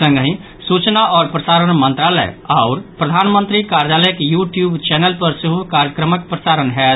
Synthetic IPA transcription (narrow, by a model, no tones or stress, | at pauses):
sə̃ŋɡɦĩ | sut͡ʃnaɔːɾpɾəsaɾənmənt̪ɾalɛ̰aʊɾpɾəd̪ʱanmənt̪ɾikaɾjaləjkjuʈjubt͡ʃɛnelpəɾsiɦukaɾjəkɾəməkpɾəsaɾənɦɛ